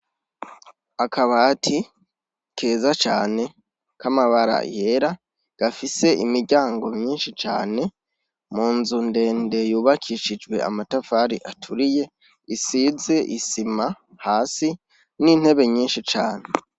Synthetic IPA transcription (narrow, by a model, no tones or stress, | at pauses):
akʰaβatʰi | kʰe̞ːzat͡ʃaːne̞ | kamaβaɾa̰jeɾa | ɡ̥afise̞ʔimiɾɟaːŋɡo̞mɲiːnʃit͡ʃa̰ːne̞ | muːnzunde̞ːnde̞juːβakʰiːʃid͡ʒɡwe̞̰a̰matafaɾiʔatʰuɾije̞ | isize̞ʔisima | haːsi | nin̥he̞βe̞ɲiːnʃit͡ʃaːne̞